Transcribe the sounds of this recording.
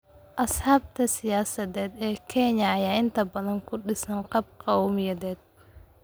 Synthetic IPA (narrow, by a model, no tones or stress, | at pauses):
ʔɐsħɑːb̚t̪ʰɐsɪjaːsɐðɛːd̪ɛːkʰɛɲɐɐjaːɪnt̪ʰɐbɐðɐŋkʰʊɖɪsɐnqɑb̚qʰɑwmjɐðɛːd̪̥̚